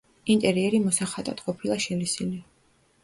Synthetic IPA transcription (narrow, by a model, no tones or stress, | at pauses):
int̪ʼɛɾiɛɾimɔsaχat̪ʼad̪̥qʼɔpʰilˠaʃɛlisili